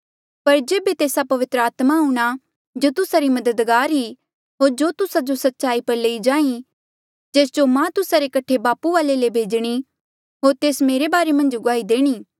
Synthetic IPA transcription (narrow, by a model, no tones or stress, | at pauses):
pɐɾd͡ʒeːbet̪eːsapɐʋɪt̪ɾəaːt̪maɦuːɽ̃a | d͡ʒoːt̪ʊsaɾimɐd̪əd̪ɡaːɾɦi | ɦoːɾd͡ʒoːt̪ʊsad͡ʒosɐt̪ːʃaːipɐɾleːid͡ʒãːĩ | d͡ʒeːs̬d͡ʒomãt̪ʊsaɾekɐʈʰebaːpuʋaːlelebʱeːd͡ʒɽ̃i | ɦoːɾt̪eːsmeːɾebaːɾemɐ̃nd͡ʒɡʊaːid̪eːɽ̃iː